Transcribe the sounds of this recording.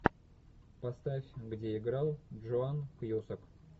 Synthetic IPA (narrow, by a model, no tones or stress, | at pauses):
past̪afʲɡdʲeɪɡɾɑlˠʐoankjosək